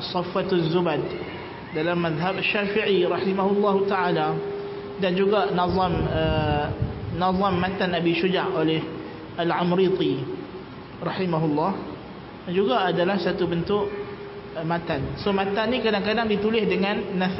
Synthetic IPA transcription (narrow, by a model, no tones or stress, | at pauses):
sˤɑfːat̪zːubad̚ | dalamːaðɦabaʃːafiʕiɾɑħimaɦʊlːɑɦut̪aʕala | dand͡ʒuɡaʔnɑðˤɑmə | naðˤɑmːat̪anabiʃud͡ʒaʔolɛh | ʔalʕamɾit̪ˤi | rˤɑħimaɦulːɑh | d͡ʒuɡaʔːdalahsat̪ubənt̪ʊʔ | mãt̪ansomãt̪anːĩkadaŋkadaŋdit̪ulɪhdəŋãnːaθ